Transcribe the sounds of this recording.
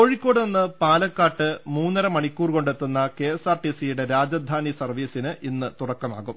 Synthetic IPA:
ko̞ːɻikʲːo̞ːɽɨninːɨpaːlɐkːaːʈːɨmuːnːɐɾɐmɐɳikʲːuːrko̞ɳɖet̪ːunːɐke̞ːesaːrʈisijuɽe̞ɾaːd͡ʑɐd̪ʱaːnisɐrʋiːsinɨʔinːɨt̪urɐkːɐma̰ːɣum

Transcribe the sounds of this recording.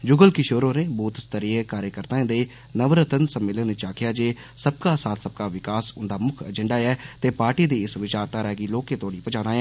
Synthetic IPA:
d͡ʒʊɡəlkɪʃoːɾõːnẽːboːt̪st̪əɾiekaːɾjəkəɾt̪ãːẽːd̪eː | nəʋɾət̪ənsəmːɪlənːt͡ʃaːkʰɪjaːd͡ʒeː | səb̚kaːsaːt̪ʰsəb̚kaːʋɪkaːsʊnd̪aːmʊkʰə̰d͡ʒəɳɖaːɛːt̪eːpaːɾʈiːd̪iːɪsʋɪt͡ʃaːɾt̪aːɾɛːɡiːloːkeːt̪oaːɽiːpəd͡ʒãːnaːɛː

